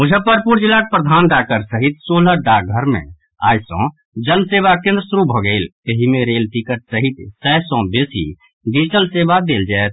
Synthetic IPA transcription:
mʊd͡ʒʱəpəɾpuɾd͡ʒilaʈ̚pɾəd̪ʱanɖakəɾsəɦit̪̚soːləɖaɡʱəɾmḛ̃ | a̰ːjsɔ̰̃ | d͡ʒənseʋakẽnd̪ɾəsuɾubʱɔɡəɪlt̪eɦimẽɾeːlʈikəʈ̚səɦit̪sɛsɔ̃besḭ | ɖid͡ʒʈəlsebad̪eːld͡ʒaɛt̪̚

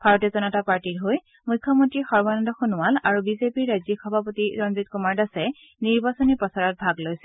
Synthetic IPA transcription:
bʱaɹɔtɔzɔnɔtapaɹtiɹɦoj | mujkʰːɔmɔntɹixɔɹbɔnɔndɔxunʊwalaɹubizepiɹːajzikʰɔbʱapotiɹɔnzitkumaɹdasɛ | niɹbasɔnipɔsaɹɔt̚bʱaɡlojsɛ

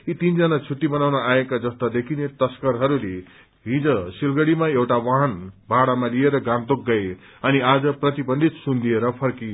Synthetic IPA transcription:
it̪ind͡zʌnat͡sʰuʈːibʌnawnʌaekad͡zʌst̪ad̪ekʰinet̪ʌskʌɾɦʌɾule | ɦĩd͡zʌ̃silɡʌɽimaewʈawaɦʌnbʱaɽamalieɾʌɡant̪oɡːʌj | ʌniad͡zʌprʌt̪ibʌnd̪ʱit̪sund̪ʱijeɾʌpʰʌrki

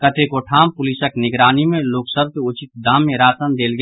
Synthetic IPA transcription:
kət̪ekoʈʰaːmpʊlisəknɪɡɾaːnimẽloːksəb̚ʱkeʊt͡ʃɪt̪̚d̪aːmːẽɾaːsənd̪eːlɡ

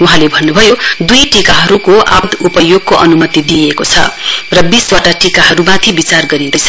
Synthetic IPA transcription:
uɦãlebʱʌnːubʱʌjod̪ujʈikaɦʌɾukoʔa̰d̪upʌjoɡ̚koʔʌnumʌt̪id̪iekot͡sʰʌ̰rʌbiswaʈaʈikaɦʌɾumãt̪ʰibit͡sarɡʌɾĩnd̪ʌjt͡sʰ

